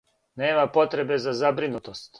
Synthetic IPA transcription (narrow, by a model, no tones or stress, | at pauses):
neːmapo̞t̪ɾe̞be̞zazabɾinut̪ost̪